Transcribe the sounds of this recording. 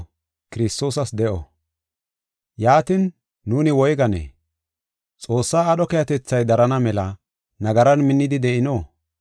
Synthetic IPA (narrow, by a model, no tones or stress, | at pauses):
kɪɾɪst̪o̞ːsɐsd̪ɛʔɔ̰ | jaːt̪ɪnː | uːnɪwɔjɡɐnḛː | t͡sʼo̞ːsːaːɗɔkɛjɐt̪ɛt͡sːɐjd̪ɐɾɐnɐmɛlɐ | nɐɡɐɾɐnmɪnːɪd̪ɪd̪ɛʔɪnoː